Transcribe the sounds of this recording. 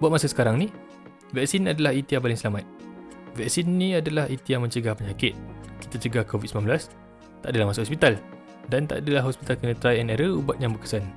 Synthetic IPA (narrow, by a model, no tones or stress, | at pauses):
buat̪̚masasə̥kaɾaŋni | vɛk̚sinadalahit̪iapalɪŋsəlamat̪̚vɛksinːĩadalahit̪ijamə̃ɲt͡ʃəɡahpəɲakɪt̪̚ki̥t̪at͡ʃəɡahkovit̪səmanbəlas | t̪aʔadalahmasaʔhɔspit̪al | dant̪a̰ʔadalaɦɔspit̪alkənə̃t̪ɾajɛnɛɾəubat̪̚jaŋbəkə̥san